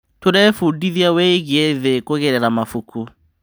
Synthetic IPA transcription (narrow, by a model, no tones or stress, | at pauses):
toɾɛfudiðiaweɣieðekoɣɛɾɛɾamafukʰu